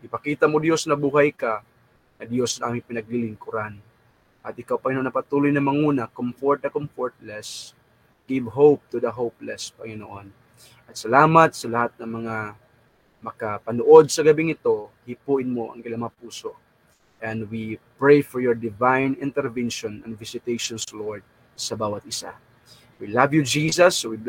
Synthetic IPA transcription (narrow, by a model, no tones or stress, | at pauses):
ʔɪpɐkiːt̪ɐmod̪jo̞snɐbuːɦɐjka | ŋɐd̪jo̞sɐŋʔaːmɪŋpɪnɐɡ̚lilɪŋkʊɾan | ʔɐt̪̚ɪkawpɐŋɪnoʔonːɐpɐt̪uːlojnɐmɐŋuːnɐkomfoɹt̪̚ɐkomfoɹt̪̚lɛs | ɡ̥ɪvɦowp̚t̪ʊd̪ɐɦowplɛspɐŋɪnoʔon | ʔɐt̪̚sɐlaːmɐt̪̚sɐlɐhat̪̚nɐŋmɐŋa | mɐkɐpɐnoʔo̞d̪̚sɐɡɐbɪŋɪt̪o̞hipuːʔɪnmoʔɐ̰ŋkɪlamɐŋɐpuːsoʔ | ʔɛnd̪wipɹejfɔɹjɔɹd̪ɪvajnɪnt̪ɛɹvɛnʃonɐŋvɪsɪt̪ejʃonsloɹd̪̚ | sɐbaːwɐt̪̚ɪsa̰ | wilɐvjud͡ʒiːsɐswi